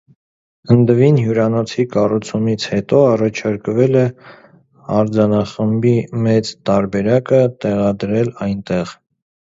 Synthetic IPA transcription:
ənd̪əvinɦjuɾɑnɔt͡sʰikɑrut͡sʰumit͡sʰhɛt̪ɔɑrɑt͡ʃʰɑɾkvɛlɛ | ɑɾd͡zɑnɑχəmbimɛt͡st̪ɑɾbɛɾɑkət̪ɛʁɑd̪ɾɛlɑjnt̪ɛʁ

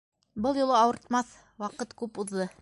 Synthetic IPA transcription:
bɤlˠjulˠɤɑwɤ̆ɾt̪mɑθ | wɑqɤt̪kʉpuðːɤ

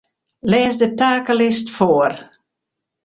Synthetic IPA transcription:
lɛːzdətaːkəlɪstfoːər

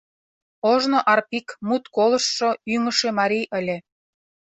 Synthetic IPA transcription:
oʒnoʔɑrpikmut̪kolə̆ʃːoyŋə̆ʃemɑɾijʔə̆lʲĕ

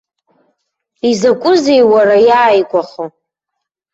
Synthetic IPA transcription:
izakʷʼʊze̞jwaɾajaːjkʷʼaχo

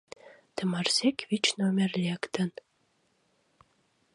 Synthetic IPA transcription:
t̪ə̆mɑrzekβit͡ɕnomʲerlʲekt̪ə̆n

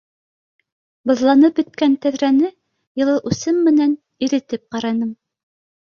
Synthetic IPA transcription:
bɤ̆ðlˠɑnɤp̚bɵ̆t̪̚kænt̪æðɾænɘ | jɤ̆lˠɤʔʉsɘmːɘ̆næn | iɾɘ̆t̪ɘp̚qɑɾɑnɤm

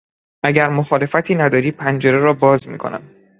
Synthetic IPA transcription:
ʔæɟæɾmoxɒːle̞fæt̪ʰiːnæd̪ɒːɾiːpʰænd͡ʒeɾeɾɒːbɒːzmḭːkʰo̞̰næ̰m

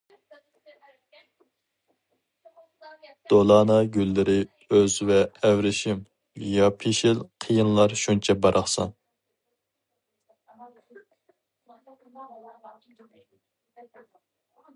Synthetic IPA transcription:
d̪̥olˠɑːnɑɡʲylːɪɾɪ | øzvɛːwɾɪʃim | jɑpʰiʃilqʰəjɨnlˠɑɾʃunt͡ʃʰɛbɑɾʔɑχsɑ̰n

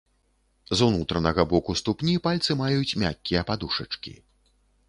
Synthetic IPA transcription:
zunut̪ɾɐnɐɣɐbɔkust̪upnʲipalʲt̪sɨmajut͡sʲmʲa̰kʲːijɐpad̪uʂɐt͡ʂkʲḭ

